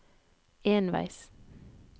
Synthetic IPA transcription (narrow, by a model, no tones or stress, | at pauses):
eːnʋæ̰ɪs